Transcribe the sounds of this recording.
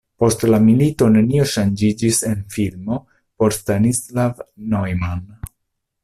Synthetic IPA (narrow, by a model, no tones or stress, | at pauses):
po̞stlamilito̞ne̞nio̞ʃand͡ʒid͡ʒise̞nfilmo̞ | po̞ɾstanislavnojman